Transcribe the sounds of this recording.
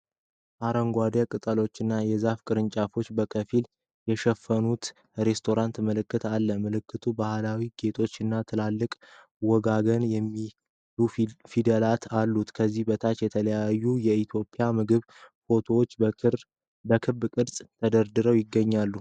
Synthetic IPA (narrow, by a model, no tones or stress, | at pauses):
ʔaɾəŋɡʷad̪ekʼɨt̪ʼəlo̞t͡ʃːɨnːajɛzafkʼɨɾɨnt͡ʃʼafo̞t͡ʃːbəkʰəfil | jɛʃɛfːənut̪ | ɾe̞st̪ʰo̞ɾant̪məlɨkːɨt̪ʰalːəmɨlɨkːɨt̪ʰubahlawiɡe̞t̪ʰo̞t͡ʃːɨnːat̪ʰɨlalːɨkʼ | wɔɡaɡənjɛmːi | lufid̪əlat̪ʰalːut̪kʰəzːihbət̪ʰat͡ʃjɛt̪ʰələjajːujɛit̪ʰjo̞pʼɪjamɨɡɨβ | fo̞t̪ʰo̞wot͡ʃː | bəkʰɨbkʼɨd̪sʼt̪ʰəd̪əɾd̪ɨɾəwjɪɡːəɲːalːu